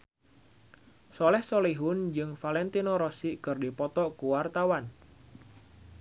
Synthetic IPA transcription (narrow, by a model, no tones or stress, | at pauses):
sɔlɛhsoliɦʊnd͡ʒɨŋfalɛnt̪inoɾɔsiʔkɨrdipɔt̪ɔkuwart̪awan